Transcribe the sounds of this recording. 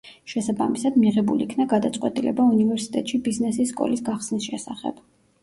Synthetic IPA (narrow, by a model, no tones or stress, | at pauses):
ʃɛsabamisad̪miʁɛbulḭkʰnaɡad̪at̪sʼqʼwɛt̪ʼilɛ̰baunivɛɾsi̥t̪ʼɛ̰t̪ʼʃibiznɛsisːkʼɔ̰lisɡaχsnisʃɛsaχɛ̰b̥